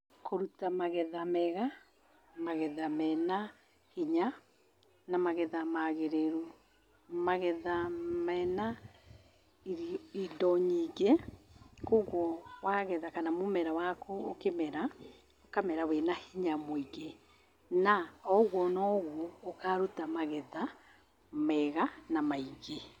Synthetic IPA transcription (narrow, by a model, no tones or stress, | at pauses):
kʰoɾutamaɣɛðamɛɣa | maɣɛðamɛna | hiɲa | namaɣɛðamaɣeɾeɾu | maɣɛðamɛna | iidɔɲiɡe | koɣwɔwaɣɛðakanamomɛɾawakookemɛɾa | okamɛɾawɛnahiɲamoiɡe | naɔɣwɔnɔɣwɔːkaɾutamaɣɛða | mɛɣanamaiɣe